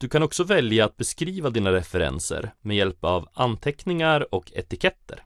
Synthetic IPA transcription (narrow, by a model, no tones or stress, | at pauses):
d̪̥ɵkʰanɔksɔvɛljaːt̪̚bɛskɾiːvad̪iːnaɾɛfɛɾɛ̰nsə̰ɾmɛjɛlpavant̪ʰɛknɪŋaɾɔkʰɛ̰t̪ɪkʰɛt̪ːə̰ɾ